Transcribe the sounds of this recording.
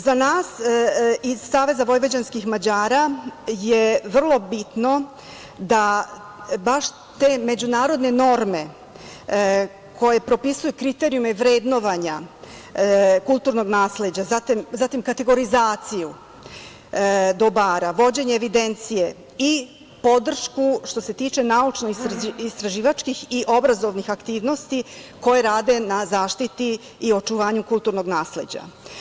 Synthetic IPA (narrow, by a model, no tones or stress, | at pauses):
zanaːs | izːaːʋe̞zaʋo̞jʋo̞d͡ʑanskixmad͡ʑaːɾajeʋr̩lˠo̞bit̪no̞ | d̪a | baʃ | t̪e̞me̞d͡ʑunaːɾo̞d̪ne̞no̞ɾme̞ | kʰo̞je̞pɾo̞pisujukɾit̪e̞ɾiumeʋɾed̪no̞ʋaɲa | kulˠt̪uɾno̞ɡnaːsle̞d͡ʑazat̪imzat̪imkat̪e̞ɡo̞ɾizaːt̪siju | d̪obaːɾaʋo̞d͡ʑe̞ɲeːʋid̪ent̪sije̞ | i | po̞d̪r̩ʃkuʃt̪o̞se̞t̪iːt͡ʃe̞naut͡ʃno̞isist̪ɾaʒiːʋat͡ʃkixiʔo̞bɾazo̞ʋnixakt̪iːʋno̞st̪iko̞jeɾaːd̪e̞nazaːʃt̪it̪iː | o̞t͡ʃuʋaːɲukulˠt̪uɾno̞ɡnaːsle̞d͡ʑa̰